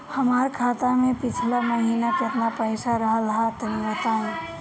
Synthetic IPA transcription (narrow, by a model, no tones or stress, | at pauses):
hɐmaːɾkʰaːt̪amẽpɪt͡ʃʰlamɐɦiːnakɪt̪napɛːsaɾɐɦalɐɦat̪ɐniʋɐt̪aɛ̃